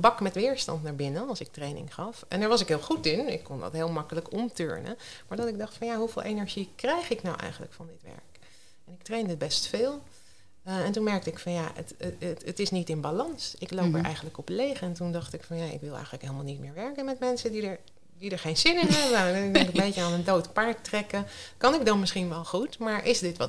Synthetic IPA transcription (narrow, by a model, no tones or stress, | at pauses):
bɑkmɛtʋɪːɹstɑ̰ntnaːɹbɪnənɑlˠsɪk̚trejnɪ̰ŋχɑfɛ̰ndəɹʋɑsɪkɦeːlˠχutɪnɪ̰kːɔnd̰tɦeːlˠmɑkələkɔmtø̰ːɹnə̰maːɹdɑtɪɡ̚dɑχtfɑnjaːɦuvɪːlˠʔejnɛɹʒikrɛjχɪknɑwʔɛ̰jχənlə̰kfɑndɪtʋɛ̰ɹk | ɛnɪktrejndəbɛstfɪːlˠ | ɛntunmɛɹk̚təɪkfɑnjaə̰tətɪsnitɪnbalɑnsɪklowpəɹʔɛ̰jχənləkɔplejχɛntundɑχtɪkfɑnjaɪ̰kʋɪlˠɛ̰jχənləkɦejlˠmalˠnit̚mɪːɹʋɛɹkənmɛtmɛnsədidəɹ | didəɹχejnz̥ɪnɪnɦɛbəɪkdɛŋkəbejtəaːnəndowtpɑɹk̚trɛkəkɑnɪk̚dɑnmɪsχinʋɛlˠχutmaːɹʔɪsdɪtʋɑ